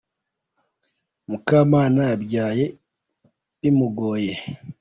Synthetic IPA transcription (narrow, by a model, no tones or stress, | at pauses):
mukaːmaːnaabɟaːje | imuɡoje